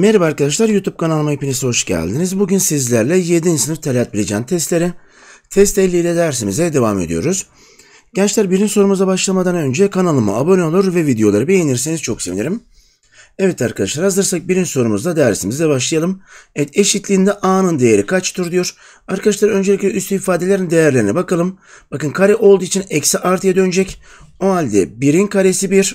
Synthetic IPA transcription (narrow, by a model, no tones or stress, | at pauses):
meɾibaɾkad̪aʃlˠaɾjut̪ub̚kʰanalˠmaipinʲisho̞ʃɟæ̰lʲd̪inizbuɟynsizlʲæɾlʲɛjed̪insɯnɯft̪ʰelʲeat̪bilʲed͡ʒɛːnt̪ʰɛst̪lʲeɾi | t̪ʰɛst̪ɛlʲːiːlʲɛd̪æɾs̬imizɛd̪e̞vame̞̰d̪ḭjo̞̰ɾuz̥ | ɟɛnt͡ʃlʲæɾbiɾinso̞ɾumuzd̪abaʃlˠamad̪anø̞nd͡ʒɛkʰanalˠɯmɯ̰abo̞nʲeo̞lˠuɾvɛvid̪ejo̞lˠaɾɯbejeniɾsiniz̥t͡ʃʰo̞ksevḭnʲiɾim | ɛvɛt̪aɾkʰad̪aʃlˠaɾazd̪ɯɾsak̚biɾinso̞ɾumuzad̪æɾsimizd̪ɛbaʃ̬lˠaɯjalˠɯmevɛt̪ʰe̞ʃit̪lʲiːnd̪ɛʔaːnɯnd̪ejeɾikʰat͡ʃt̪ʰuɾd̪ujo̞ɾ̥ | aɾkʰad̪aʃlˠaɾø̞nd͡ʒelʲicʲlʲɛyst̪yifaːd̪elʲeɾind̪e̞jæɾlʲeɾinɛbakalˠɯm | b̥akɯnkʰaɾɛʔo̞lˠd̪uːit͡ʃʰinɛcsiʔaɾt̪ʰɯjad̪ønd͡ʒɛc | o̞ɦalʲd̪ɛbiɾinkʰaɾesibiɾ̥